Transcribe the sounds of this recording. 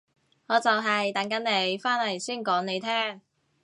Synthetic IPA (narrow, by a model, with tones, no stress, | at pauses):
ŋɔː˨˧t͡sɐ˨wɦɐ˨jt̪ɐ˨˥ŋkɐ˨˥nne˨˧˥jfaː˥nhɐ˨˩jsiː˥˩nkɔː˨˥ŋne˨˧jt̪ʰɛː˥˩ŋ